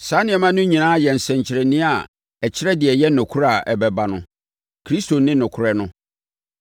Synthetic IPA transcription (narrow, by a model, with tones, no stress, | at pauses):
sã˨˦nɪ̃˦ɛ˨mã˦nʊ̃˦ɲĩ˨nãː˦jɛ˨n̩˨sɛ̃˨ɲ˨t͡ɕʰɪ˨ɾɛ˨nɪ̃˦a˨ | ɛ˨t͡ɕʰɪ˦ɾɛ˦dɪ˨ɛ˨jɛ˦nʊ̃˨kʰu˦ɾa˨ɛ˨bɛ˨ba˨nʊ̃˦ | kʰɾi˦sto˨nɪ̃˦nʊ̃˨kʰʊ˨ɾɛ˦nʊ̃˦